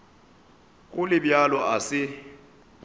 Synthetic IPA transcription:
k̬ʼulɪɓjalɔʔasɪ

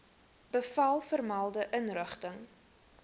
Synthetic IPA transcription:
b̥əfɐlˠfərmɐlˠdəʔənrəχtəŋ

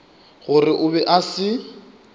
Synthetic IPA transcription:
ɣʊrɪʔʊbɛʔasɪ

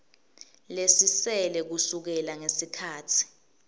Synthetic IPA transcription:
lesisɛlɛk̬usuk̬ɛlaŋesikʰaːtʰi̥

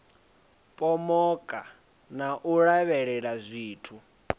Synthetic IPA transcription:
pʼɔmɔkʼa | naʔuɺaβɛɺɛɺazʷiːtʰu

